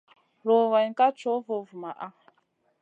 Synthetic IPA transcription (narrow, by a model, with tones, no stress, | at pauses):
ɾo˨wa˨jka˦t͡ʃo˦vo˦˨vu˨ma˨ʔa˦